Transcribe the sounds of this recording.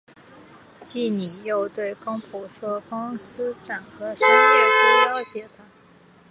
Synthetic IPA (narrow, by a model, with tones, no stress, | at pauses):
t͡ɕi˥˩ni˨˩jo˥˧ʊt̪we˥˩ɪkɑ˥ŋpʰu˨˥˩ʂwɔ˥kʊ˥ŋsɹ̩˥ʈ͡ʂa˨˩nxɤ˧˥ʂ̩˥˧ke˥˩ɪ˧˩ɕjɑ˥ʊɕjɛ˧˥t̪a˨˩˦